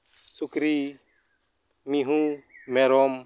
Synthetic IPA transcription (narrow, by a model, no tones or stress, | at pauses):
sukɾi | miɦũmɛɾɔm